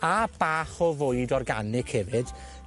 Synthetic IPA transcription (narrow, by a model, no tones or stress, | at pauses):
ab̥aːχɔvoɨdɔrɡa̰nɪkʰhɛvɨd̥